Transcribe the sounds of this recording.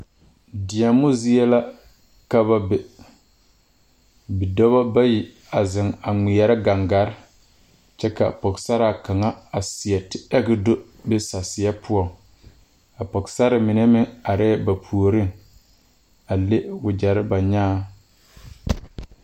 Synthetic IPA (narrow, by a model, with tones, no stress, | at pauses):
dɪ˨a˨mːʊ˦zi˦ɛ˦la˦ | ka˦βa˦bɛ˨ | bi˨dɔ˦βa˦ba˦ji˨ | a˨zɪ˨ŋa˨ŋi˨ja˨ɾɪ˦ɡa˨ŋɡa˨˦ɾɪ˦ | t͡ʃɛ˦ka̰˨pɔ˨ksa˦ɾa˨ka˨ŋa˦a˨sɪ˨a˨tɪ˨ɛ˦ɡɪ˦do˦ | bɪ˦sa˨sɪ˨ja˦pʰʊ˦ɔ˨ŋ | a˨pɔ˨ksa˦ɾɪ˨mɪ˨nɛ˦mɪ˦a˨ɾɛː˦ba˨pʰu˨o˨ɾɪ˦ŋ | a˨le˦wʊ˨d͡ʒa˨ɾɪ˦ba˨ɲaː˦